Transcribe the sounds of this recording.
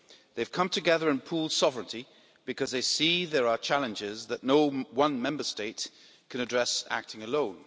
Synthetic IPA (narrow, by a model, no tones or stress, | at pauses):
ðeɪv̥kʰʌ̃mtʰɨɡɛðəɹɨ̃npʰul̥ˠsɒvɹə̃nti | b̥ɨkʰʌzðeɪsiðəɹət͡ʃʰalˠə̃nd͡ʒɪzðəʔⁿnoʊwʌ̃nmɛ̃mbəsteɪʔ | kʰə̃ñədɹɛsa̰k̚tʰɪ̃ŋəlõʊ̃n